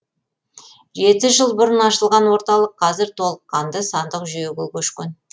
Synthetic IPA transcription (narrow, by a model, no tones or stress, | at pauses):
ʒe̞t̪ɪʒəlˠbʊɾənɑʃəlˠʁɑnwo̞ɾt̪ɑlˠəqʰːɑzɪɾt̪ʰo̞lˠəqːɑnd̪əsɑnd̪əqʒʏjekʲelkʲʰɵʃkʲen